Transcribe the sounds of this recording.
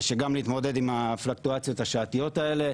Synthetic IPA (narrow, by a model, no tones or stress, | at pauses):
ʃeɡamliːt̪mo̞d̪e̞d̪imaflak̚t̪uat͡sjo̞t̪haʃaːt̪ijo̞t̪ae̞le̞